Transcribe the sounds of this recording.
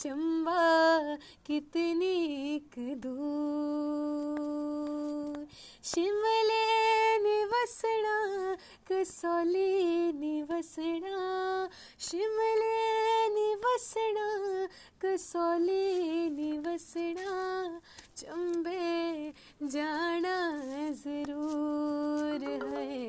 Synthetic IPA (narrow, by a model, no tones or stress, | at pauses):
t͡ʃɐmba | kit̪nikɨd̪u | ʃiməleniʋɐsəna | kɨsliniʋɐsəɳa | ʃiməleniʋɐsna | kɨsoːliniʋɐsɳa | t͡ʃɐmbʱe | d͡ʒaːnazɐɾuː | ɾɦɐ